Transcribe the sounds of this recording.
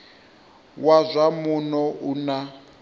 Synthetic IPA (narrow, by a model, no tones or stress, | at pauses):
wazʷamunɔʔuna